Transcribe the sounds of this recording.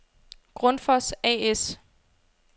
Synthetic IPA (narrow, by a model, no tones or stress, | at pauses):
ɡ̥ʁɔ̽nfɒsɛ̰es